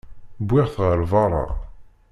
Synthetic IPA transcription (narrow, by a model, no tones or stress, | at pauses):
bʷːɪʁθʁəɾvɑɾˤɑ̰